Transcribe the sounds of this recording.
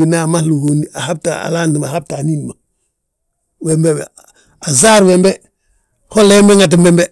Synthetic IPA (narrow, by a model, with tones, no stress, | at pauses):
i˨na˨ma˦hlu˨ɡo˨nia˨ha˦b̚taa̰˨laːndi˨ma˨ɦa˦b̚taː˨ni˦nma | wembew | a˨zaː˦ɾwembe | ho˦lːe˦mbe˦ŋat̬imbembe